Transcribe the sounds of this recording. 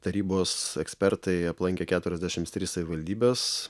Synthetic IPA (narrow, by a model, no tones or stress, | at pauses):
t̪ɐɾʲiːboːsɛksʲpʲɛɾt̪ɐɪɐplˠɐŋʲkʲeːkʲæːt̪ʊɾʲɛzʲd̪ʲæːʃʲɪmt̪t̪ʲɾʲiːssɐʋʲɪʋɐlʲd̪ʲiːbʲeːs